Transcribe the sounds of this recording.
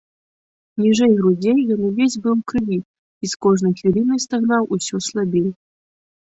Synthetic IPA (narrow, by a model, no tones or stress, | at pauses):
nʲiʐɛjɣɾud͡zʲejjənuvʲesʲbɨlˠkɾɨvʲi | iskoʐnəjxʲiɾʲinəjst̪ɐɣnɑwʔusʲɔslˠabʲejʲ